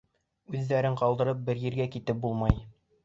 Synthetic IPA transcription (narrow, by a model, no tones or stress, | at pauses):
ʉðːæɾɘɴqɑlˠd̪ɤ̆ɾɤp̚bɘ̆ɾjɘ̆ɾɡækit̪ɘp̚bulˠmɑj